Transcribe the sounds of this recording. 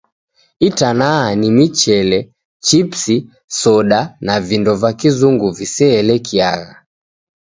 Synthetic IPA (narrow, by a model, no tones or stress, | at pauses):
itanaanimit͡ʃɛlɛ | t͡ʃipsi | sɔɗanavindɔvakizuŋɡuvisɛːlɛkia̰ɣa̰